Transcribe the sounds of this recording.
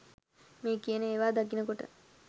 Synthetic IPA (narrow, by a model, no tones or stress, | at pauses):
meːkijənəeːʋaːd̪akinəkoʈə̰